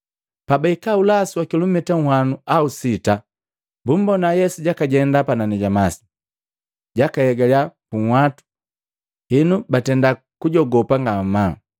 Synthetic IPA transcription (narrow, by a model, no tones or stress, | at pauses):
pabaikaulasiwakilɔmitaŋ̩wanuausita | bum̩bɔnajɛsuɟakaɟɛndapananɛɟamasi̥ | ɟakahɛɡaljapuŋwatu̥ | hinubatɛnda | kuɟɔɡɔpaŋɡama